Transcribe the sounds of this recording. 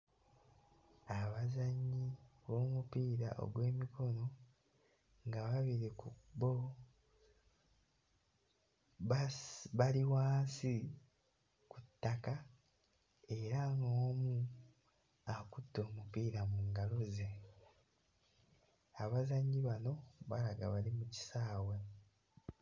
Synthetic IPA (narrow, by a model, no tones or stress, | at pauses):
aβazaɲːiβo̞ːmupiːɾa̰ʔo̰ɡwe̞ːmikʰo̞no̞ | ŋɡaβaβiɾekubo | βaβaliwaːnsi | kutːaka | e̞ɾaŋɡoːmu | akutːo̞ːmupiːɾamuːŋɡalo̞ze̞ | aβazaɲɟiβano̞βaɾaɡaβalimuci̥saːwe